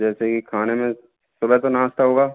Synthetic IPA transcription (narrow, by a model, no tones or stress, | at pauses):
d͡ʒɛːsekikʰaːnemẽ | sʊbɛt̪onãːst̪aɦoːɡaː